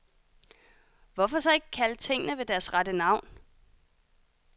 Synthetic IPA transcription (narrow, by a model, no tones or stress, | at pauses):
ʋɒfɒ̽sɒ̽e̝ɡ̥əkʰælt͡sʰe̝ŋ̰ənəʋe̝d̥æɐsʁadənɑ̈ʊ̰n